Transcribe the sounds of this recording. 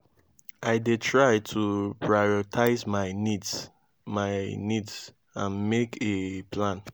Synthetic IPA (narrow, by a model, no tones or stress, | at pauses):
aɪdetʰɹaɪtʰupʰɹaɔtʰaɪzmaɪnids | maɪnids | ãnmekʰepʰlãn